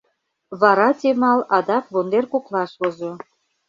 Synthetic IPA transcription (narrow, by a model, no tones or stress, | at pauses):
βɑɾɑt̪ʲemɑlɑd̪ɑkβond̪erkoklɑʃβozo